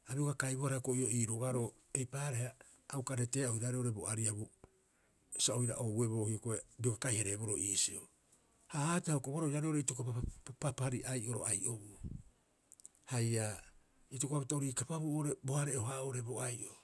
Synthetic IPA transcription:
aɾioɡakajbohaɾakoio̞iːɾoɡaɾo̞ | e̞jpaːɾehaː | wkaɾete̞ːaoiɾaɾeo̞ɾe̞boaɾiabu | saojɾa̰ʔoue̞bo̞ːhiokoebioɡakajhaɾebo̞ɾoʔiːsio̰ | haatehaokoβoɾoiɾaɾeoɾeitokopapapaɾiʔajʔo̞ɾo̞̰ajʔobu | haja | itokoaβutaoɾikapaβuoɾebohaɾeoɦaoɾe̞boajʔo

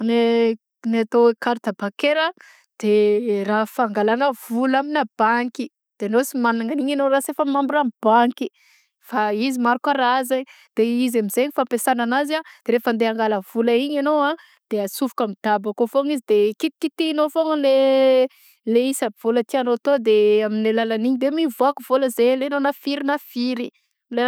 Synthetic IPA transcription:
ne | nat̪oekaɾt̪abakeɾə | d̪̥erafaŋɡalanəv̥ulaminab̥aŋki | d̪̥enosimanaŋaniɲanoɾasefəmambiɾamib̥aŋki̥ | faizimaɾukaɾazaɲ | d̪̥eizamizeɲifampesananazad̪̥eɾefand̪eaŋɡaləv̥ulaiɲanowa | d̪̥easufu̥kamid̪̥abakofoŋizid̪ekit̪i̥kit̪inofoŋəle | leisav̥olət̪ianot̪od̪eaminelalaniɲid̪emivoakuvoləzelenonafiɾinafiɾi | le

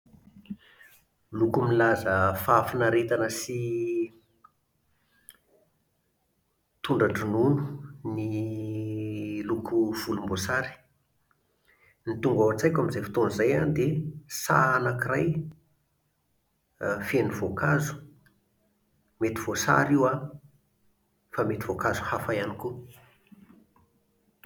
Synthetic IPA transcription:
lukumilazəfafinaɾet̪anəsi | t̪uɳɖ͡ʐaʈ͡ʂinunu̥ni | lukuv̥ulumbosaɾi̥ | nit̪uŋɡawat͡sajkʲamizefi̥t̪onizajand̪esa̰anakiraj | fenivokazu̥ | met̪iv̥osa̰ɾiwa | famet̪ivokazu̥hafajaniku

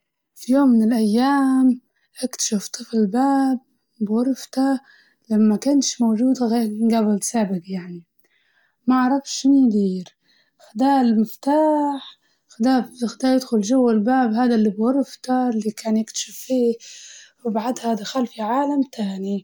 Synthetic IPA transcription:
fijoːmːɪnɪlʔajːaːm | ʔakt̪ḁʃaft̪ˤɨfɪlbaːb̚ː | wɑɾˤft̪a | lamːakanʃmowʒuːd̪ɡabɪlsaːbɪɡjaʕni | maʕɾˤɑfʃʃɪnjd̪iːɾ | xɪd̪aːlmɪft̪aːħ | xɪd̪aːɪxd̪aːjɪd̪xʊlʒawːalbaːbɦaːd̪alːibwɑɾˤft̪aɪlːikaːnjɪkt̪ḁʃafːiː | wɪbaʕad̪had̪axalfiʕaːlamt̪ʰaːni

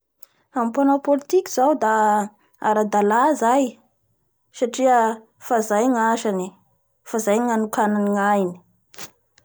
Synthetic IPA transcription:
ampanapolit̪ikiz̥awd̪a | a̰ɾad̪alazaj | saʈ͡ʂiə | fazajŋaʃani | fazajŋanukananiŋajni̥

